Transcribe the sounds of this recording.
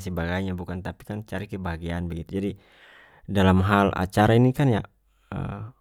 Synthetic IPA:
səbaɡajɲabukant̪api̥kant͡ʃaɾikɛbaɦɡianbaɡit̪ud͡ʒadi | dalamɦala̰t͡ʃaɾainikanja̰ | ə̰

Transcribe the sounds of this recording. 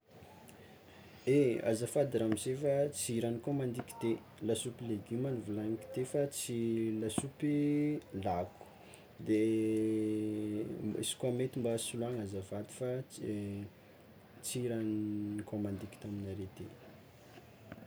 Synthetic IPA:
ea̰zafad̪iɾamizefat͡siiɾanikomand̪iki̥t̪e | lasupileɡimanuvulaŋiki̥t̪efat͡silasupilaku̥ | d̪e | ḭsi̥kwamet̪imbasulaŋazavad̪i̥fa | t͡siɾankomand̪iki̥t̪aminaɾet̪e

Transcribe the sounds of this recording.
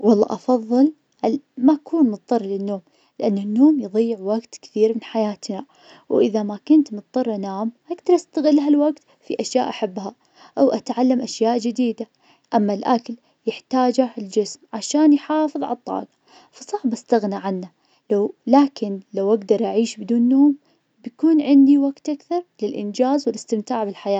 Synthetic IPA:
wɑlˤːɑ̰ːʔɑfɑðˤːɨl | ʔamaʔkuːnmʊt̪ˤːɑrˤːlɪnːoːm | lɪʔanːanːoːmjðˤɨjːɪʕwaɡt̪kθiːɾmɪnħajaːt̪na | wʔɪðamakʊnt̪mʊt̪̚ˤd̪ˤɑrˤʔanaːmhaɡd̪ɑɾˤʔast̪aɣɪlːɦalwaɡt̪ | fiʔaʃja̰ːʔaħabːha | ʔawʔat̪ʕalːamʔaʃjaːʔd͡ʒɪd̪iːd̪a | ʔamːalʔakl | jɪħt̪aːd͡ʒald͡ʒɪsmʕaʃaːnjħɑːfɨðˤʕa̰t̪ˤːɑ̰ːɡɑ | fɑsˤɑʕbʔast̪aɣnaʕanːa | lawlaːkɪnlawʔaɡd̪ɑɾˤʔaʕiːʃbɪd̪uːnːoːm | bjkuːnʕɪnd̪iwaɡt̪ʔakθɑɾˤlɪlʔɪ̰nd͡ʒaːzwɪlɪst̪ɪmt̪aːʕbɪlħajaː

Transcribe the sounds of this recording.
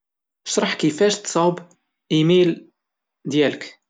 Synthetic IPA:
əʃɾˤɑħkəfæʃt̪sˤɑwb | imil | d̪jælək

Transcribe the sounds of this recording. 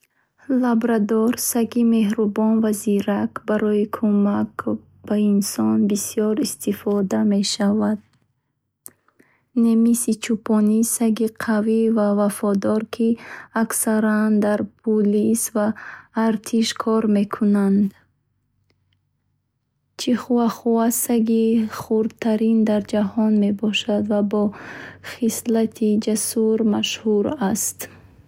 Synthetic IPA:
labɾad̪ɔɾsaɡime̞ɦɾubɔnvaziɾakbaɾɔikʰumak | b̥ainsɔnbisijɔɾist̪ifɔd̪ame̞ʃavad̪̥̚ | nemisit͡ʃʰupʰɔnisaɡiqʰavivavafɔd̪ɔɾkʰiaksaɾand̪aɾpʰulisvaːɾt̪ʰiʃkʰɔɾme̞kʰunand̪ | t͡ʃʰiχuvaχuasaɡiχuɾd̪t̪ʰaɾind̪aɾd͡ʒahɔnme̞bɔʃad̪vabɔχislat̪ʰid͡ʒasuɾmaʃhuɾast̪

